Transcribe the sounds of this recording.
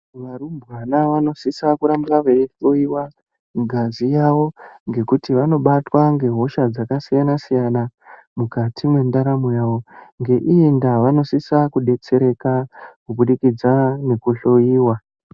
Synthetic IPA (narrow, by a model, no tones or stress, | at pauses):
ʋaɾumbɣanaʋano̞sisakuɾambraʋeɬo̞jiwa | ɡʱazijaʋo̞ŋɡe̞kutiʋano̞ɓatwaŋɡe̞ɦo̞ʃad͡zakasijanasijanamukatʰimwe̞ndaɾamujaːʋo̞ŋɡe̞ʔiindaʋano̞sisakuɗe̞t͡se̞ɾe̞kakuɓuɗikid͡zane̞kuɬojiːwa